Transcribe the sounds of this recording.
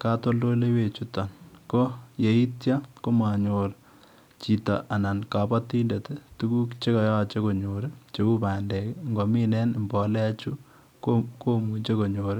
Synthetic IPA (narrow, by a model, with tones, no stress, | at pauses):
ka˦to˦ldo˦le˦we˨t͡ʃu˦ta˨nko˦je˨i˦tja˦ko˦ma˨ɲoː˨ɾ | t͡ʃi˨ta̰˨ʔa˨na˨nka˨pa˦ti˦nde˨te˦tu˦ku˦kt͡ʃe˦ka˨ja˦˨t͡ʃe˦ko˨ɲoː˨ɾe˦t͡ʃe˦u˦paː˨ndɛ˨kŋɡɔ˨mi˦nɛ˦nmbɔ˨lɛ˦a˦t͡ʃu˦ | koko˦mu˨t͡ʃe˦ko˨ɲoː˨ɾɪ˦